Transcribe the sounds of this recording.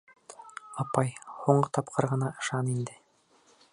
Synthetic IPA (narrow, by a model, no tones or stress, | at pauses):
ɑpɑjhuɴɢɤt̪ɑpqʰɤɾʁɤ̆nɑʔɤ̆ʃɑnind̪ɘ